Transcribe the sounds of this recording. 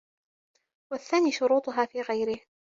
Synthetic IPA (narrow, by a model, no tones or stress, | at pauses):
waθːaːniːʃʊɾuːt̪ˤʊɦaːfiːɣajɾɪh